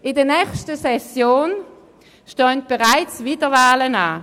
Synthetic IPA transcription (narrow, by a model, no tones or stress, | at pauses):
ʔɪdənɛχstəsɛsjoːn | ʃtøːnt̚b̥eʁaɪt͡sviːdəvaːlənaː